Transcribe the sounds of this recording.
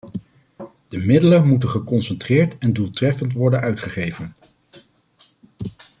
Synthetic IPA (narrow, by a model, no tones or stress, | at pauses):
d̥əmɪdələnmutəχəkɔnsɛntrɪːɹtɛndulˠtrɛfəntʋɔɹdənœɥtχəχejvən